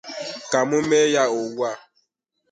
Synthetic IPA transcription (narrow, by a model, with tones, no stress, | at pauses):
ka˨mʊ˦me˦ja˦o˨wu˦a˦˨